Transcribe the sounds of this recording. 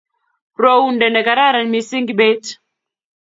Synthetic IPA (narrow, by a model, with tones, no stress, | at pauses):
ɾɔ˦u˦ndɛ˨nɛ˨ka˨ɾa˦˨ɾa˨ni˨mi˨si˦ŋɡi˨ɓɛ˦t